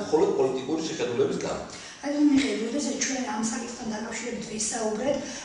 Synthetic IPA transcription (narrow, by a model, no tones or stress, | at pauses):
mχɔlɔd̪̚pʼɔlit̪ʼikʼuɾisiχɛd̪ulɛbisɡa̰ | ad̪amiʁiɛbɔd̪ɛsat͡ʃʰwɛnamsakʼit̪ʰχt̪ʰand̪akʼafʃiɾɛbit̪ʰvisaubɾɛt̪ʰ